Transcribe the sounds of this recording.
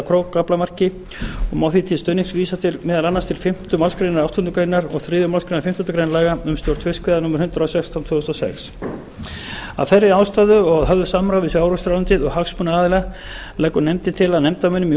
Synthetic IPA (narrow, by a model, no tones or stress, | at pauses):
kʰɾoːwkːaplamar̥cɪ | ɔɣmaːwθit̪ʰɪlst̪œːɥniksviːsat̪ʰɪlmɛːðalanːast̪ʰɪlfɪm̥t̪ʏmalskɾejnaɾawht̪hʏnt̪ʏkɾejnaɾɔ̰ɣθɾiːðʏmalskɾejnɾfɪm̥t̪hʏnt̪ɾkɾejnlaːɣaʏmst̪jowɾt̪ʰvɪskvɛðanʊːmʏɾ̥hʏnt̪ɾawsɛkst̪ʰawnt̪vʏːɛst̪ɔsɛ̰ks | a̰ðθɛrːɪaːwst̪aðʏɔɣaðɦœvðʏsamːɾawvɪsaːwɾɔst̪ɾawʏnt̪ɪðɔɣhaksmunaaːðɪla | lɛːjkːʏnɛmt̪ɪnt̪ʰɪlaðnɛmt̪amœnʏmi